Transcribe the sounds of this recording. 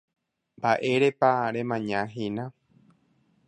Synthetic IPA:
mbaʔe̞ɾepaɾẽmãɲãɦĩnã

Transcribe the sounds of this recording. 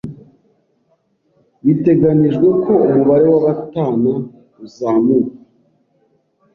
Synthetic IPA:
βite̞ɡaniʒɡwe̞ko̞umuβaɾe̞waβataːna | uzaːmuka

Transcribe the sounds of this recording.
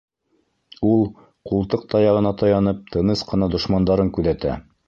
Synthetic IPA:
ulˠ | qulˠt̪ɤq̚t̪ɑjɑʁɤ̆nɑt̪ɑjɑnɤp̚t̪ʰɤ̆nɤsqɤ̆nɑd̪ŏʃmɑnd̪ɑɾɤŋkʉðæt̪æ̰

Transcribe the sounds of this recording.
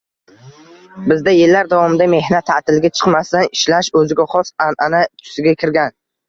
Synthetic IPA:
bɪzd̪ajɪlːaɾd̪avɒmɪd̪ame̞hnat̪ʰːat̪ɪlɡʲat͡ʃʰɨ̥qmast̪anɪʃlaʃɵzɪɡʲaχɒsanʔanat̪ʰʊ̥sɪɡʲakʲʰɪɾɡʲan

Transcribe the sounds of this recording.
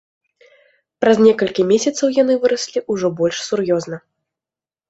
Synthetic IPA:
pɾɐzʲnʲɛkɐlʲkʲimʲesʲɐt̪sɐwjan̪ɨvɨɾɐsʲlʲiʔuʐɔbɔlʲʂsurjɔznɐ

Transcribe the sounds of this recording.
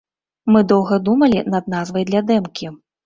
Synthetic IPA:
mɨd̪ɔwɣɐd̪umɐlʲinɐd̪nazvɐjd̪lʲɐd̪ɛmkʲi

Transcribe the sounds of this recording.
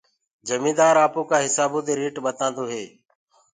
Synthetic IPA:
d͡ʒəmĩːd̪aːɾaːpõːkãːɦɪsaːbõːd̪eːɾiːʈɓət̪ãːnd̪oːɦeː

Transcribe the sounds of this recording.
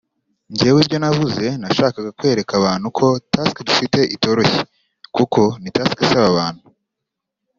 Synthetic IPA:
ɲɟewibɟo̞navuze̞naʃaːkaɡakwe̞ːɾe̞kaβaːn̥hukʰo̞taskdufite̞ʔito̞ɾo̞çe | kuko̞nitaskasaβaβaːn̥hu

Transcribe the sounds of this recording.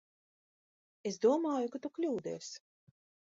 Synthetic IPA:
esd̪uɔmaːjukat̪uklʲuːd̪ɛ̰ːs

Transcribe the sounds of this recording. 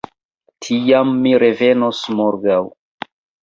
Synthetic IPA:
tʰijamːiɾe̞ve̞nosmoɾɡaw

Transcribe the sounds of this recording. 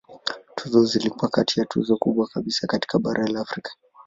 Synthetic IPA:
tʰuzɔzilikuwakatijatʰṵzɔkuɓwakaɓisakati̥kaɓaɾʔalaːfɾikḁ

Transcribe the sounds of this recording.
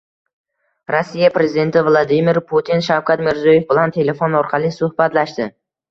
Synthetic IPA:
ɾosːijapɾe̞zɪd̪e̞nt̪ʰɪvlˠad̪ɪmɪɾpʰut̪ʰinʃawkʰat̪mɪɾzojefbɪlant̪ʰe̞le̞fonɒɾqʰɑlˠɪsʊhbat̪laʃt̪ɪ

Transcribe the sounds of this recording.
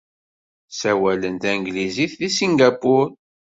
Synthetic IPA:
sæwælənt̪æŋɡliziθːisiŋɡapʊɾ

